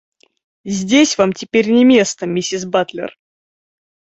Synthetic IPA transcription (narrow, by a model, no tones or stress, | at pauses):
zʲdʲesʲvamtʲɪpʲeɾʲnʲɪmʲe̞st̪əmʲɪsʲɪsbat̪lʲɪ̰r